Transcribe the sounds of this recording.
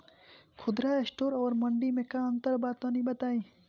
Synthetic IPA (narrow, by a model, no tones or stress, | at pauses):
kʰʊd̪ɾaesʈoɾɔːɾməɳɖimekaənt̪əɾbad̪̚t̪ɔnibət̪aj